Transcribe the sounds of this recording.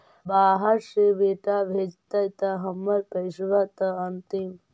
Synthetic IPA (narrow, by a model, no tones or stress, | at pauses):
baːɦɐɾʂibeːʈaʋʱeːd͡ʒt̪ɐjt̪ɐɦɐmːɐɾkɐjʃʋɐt̪ɐɐnt̪im